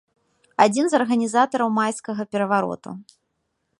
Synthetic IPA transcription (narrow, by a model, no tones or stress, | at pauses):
ad͡zʲinzɐrɣɐnʲizat̪ɐɾɐwmajskɐɣɐpʲɛɾɐvaɾɔ̰t̪ṵ